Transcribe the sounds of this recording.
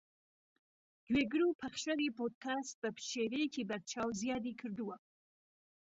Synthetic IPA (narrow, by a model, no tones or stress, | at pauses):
d̪weɡɽupʰaχʃaɾipot̪̚kast̪̚pəpʃeɾejkibaɾ̚t͡ʃʰɑwzjɑd̪ikʰəɾd̪uwa